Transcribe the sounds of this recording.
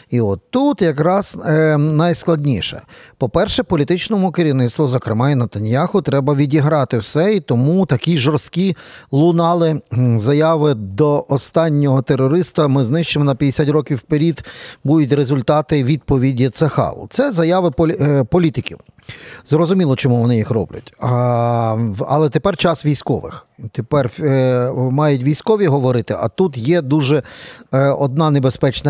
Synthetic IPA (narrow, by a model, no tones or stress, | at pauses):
iɔt̪ːut̪jɐkɾɑsnɐjsklˠɐdʲnʲiʃɛ̰pɔpɛrʃɛpɔlʲit̪ɪt͡ʃnɔmʊkeɾʲiwnɪt̪st̪ʋɔzɔkɾɪmɑinɐt̪ɐnʲjɑxʊt̪ɾɛbɐʋʲidʲiɦɾɑt̪ɪwsɛit̪ɔmut̪ɐkʲiʒɔrst̪kʲilˠʊnɑlˠɪzɐjaʋɪd̪ɔʔɔst̪ɑnʲːɔɦɔt̪erɔɾɪst̪ɐmɪznɪʃt͡ʃemɔnɐpʲjɐd̪esʲatʲrɔkʲiwːpeɾʲid̪bud̪ʊt̬ʲɾezʊlʲt̪ɑt̪ɪʋʲid̪̚pɔʋʲidʲit̪sɐxɑ̰lˠʊ̰t̪sɛzɐjaʋɪppɔlʲit̪ɪkʲḭwzrɔzʊmʲilˠɔt͡ʃɔmuʋɔnɪjixrɔ̰blʲʊ̰tʲ | ɐ̰lˠɛt̪epɛrt͡ʃɑsʋʲijsʲkɔʋɪ̰xt̪epɛr | mɑjʊtʲʋʲijsʲkɔʋʲiɦɔʋɔɾɪt̪ɪʔɐt̪ut̪jɛd̪uʒɛ | ɔd̪̚nɑnebespɛt͡ʃnɐ